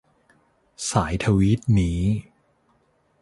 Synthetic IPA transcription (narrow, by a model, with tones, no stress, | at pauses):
saː˩˦jt̪ʰa˧wiː˦˥t̪̚niː˦˥